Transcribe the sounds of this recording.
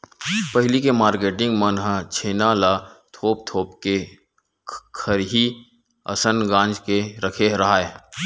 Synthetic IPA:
pəɦlikemaːɾkeːʈɪ̃ŋɡmənɦət͡ʃʰeːnaːlat̪ʰoːp̚t̪ʰoːpke | kʰəɾɦi | ɐ̰sənɡãːnd͡ʒkeɾəkʰeɾɐɦaːeː

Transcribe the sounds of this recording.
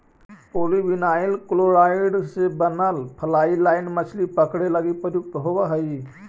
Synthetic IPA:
poːlibinaːɪlkloːɾaːɪɖsebənəlpʰɐlaːilaːɪnmət͡ʃʰlipəkʰɽeləɡipəɾjʊk̚t̪ɦoʋaɦɐi

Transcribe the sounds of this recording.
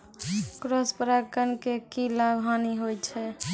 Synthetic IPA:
kɾospəɾakənkekilabʱɦaniɦojt͡ʃʰɛ

